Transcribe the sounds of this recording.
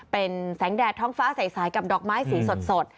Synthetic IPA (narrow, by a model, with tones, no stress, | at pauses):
pe˧nsɛː˩˦ŋdɛː˨˩t̪ʰːɔː˦˥ŋfaː˦˥sa˨˩˦jsaː˨˦jka˨˩p̚dɔː˨˩k̚maː˦˥jsiː˨˩˦so˨˩t̪̚so˨˩t̪̚